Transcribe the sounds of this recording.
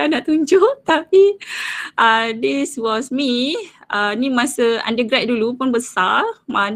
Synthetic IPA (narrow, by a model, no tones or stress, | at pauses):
anaʔt̪uɲd͡ʒʊʔt̪api | ʔədiswɔsmiənĩmãsəã̰ndəɡɾat̪̚dulupunbəsarmãn